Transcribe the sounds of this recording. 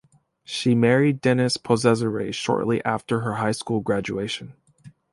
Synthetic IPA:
ʃimɛɹidɛnɨspʰɔzɛzəɹḛʃɔ̰ɹʔˡliʔæftə˞ə˞ɦaɪskulˠɡɹæd͡ʒueɪʃɨ̃n̩

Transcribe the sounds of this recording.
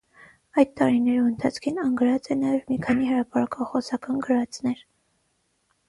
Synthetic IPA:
ɑjd̪̚t̪ɑɾinɛɾuənt̪ʰɑt͡sʰkʰinɑŋɡəɾɑt͡sɛnɑjɛvmikʰɑnihəɾɑpɑɾɑkɑχɔsɑkɑnɡəɾɑt͡snɛɾ

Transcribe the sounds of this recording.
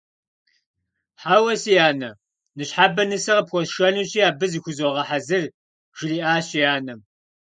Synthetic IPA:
ħawɐsijaːnɐ | nɨɕħaːbɐnɨsɐʁɐpxʷɔsʃɐnɨɕijaːbɨzɨxʷʊzoʁɐħazɨr | ʒ̥ɪriːʔaːɕijaːnɐm

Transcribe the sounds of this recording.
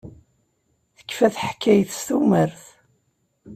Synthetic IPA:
θə̥kːfæθħkːæjθst̪uməɾθ

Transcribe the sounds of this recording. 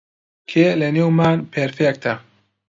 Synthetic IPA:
kʰelenewmanpeɾfɛk̚t̪ʰa

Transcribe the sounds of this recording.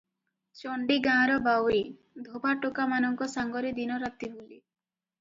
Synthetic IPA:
t͡ʃɔɳɖiɡãɾɔbawe | d̪ʱobaʈokamanɔŋkɔsaŋɡɔɾid̪inɔɾat̪ibuli

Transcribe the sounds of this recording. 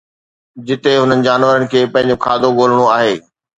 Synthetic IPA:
d͡ʑɪt̪eɦʊnənɪ̆d͡ʑaːnʋəɾənɪ̆kʰeːpɐ̃ɦɪ̃ɲd͡ʑokʰaːd̪ʱoɠoːl̤əɽ̃oaːɦeː

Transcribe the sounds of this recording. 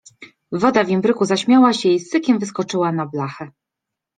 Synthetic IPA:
vɔd̪avʲɛmbɾɘkuzaɕmʲjawaɕɛist̪ɘkʲɛmvɘskɔt͡ʂɘwanablaxɛ

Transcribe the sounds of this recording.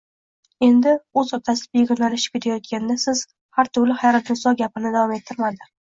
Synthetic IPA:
e̞nd̪ɪɵzɒt̪ʰasɪd̪ɪbeɡʲʊnlalɪʃɪ̥pkʲʰet̪ʰajɒt̪̚kʲand̪asɪz̥ | haɾt̪ʰʊɾlɪχajɾat̪ʰɪsɒɡʲapɪnɪd̪avɒme̞t̪ʰːɪɾmad̪ɪ

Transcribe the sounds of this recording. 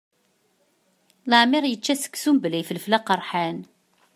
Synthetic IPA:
ləʕmɪɾjət͡ʃːæsə̥kːsumbəlijfəlflæqɑɾˤħan

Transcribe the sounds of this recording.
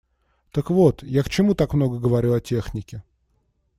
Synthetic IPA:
t̪əkvo̞t̪jakt͡ɕɪmut̪akmno̞ɡəɡəvɐɾʲulˠɐtʲe̞xnʲɪkʲɪ

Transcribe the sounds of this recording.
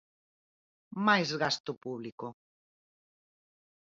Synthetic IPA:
majzɣast̪ʊpuβlikʊ

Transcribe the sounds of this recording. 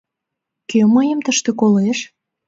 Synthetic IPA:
køməjəmt̪əʃt̪ekoleʃ

